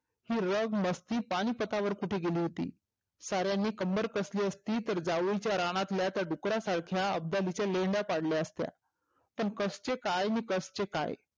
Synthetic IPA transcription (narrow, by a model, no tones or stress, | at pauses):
hiːɾəɡməst̪iːpaɽ̃iːpət̪aʋəɾkuʈʰeɡeliːɦot̪ḭː | saɾjanːiːkəmbəɾkəsliːəst̪iːt̪əɾd͡zaʋjt͡ɕjaɾaɽ̃at̪ljat̪jaɖukɾasaɽkʰjaə̰b̚d̪alit͡ɕjaleɳɖapaɽljaəst̪ja̰ | pəɳkəst͡ɕekajniːkəst͡ɕeka̰j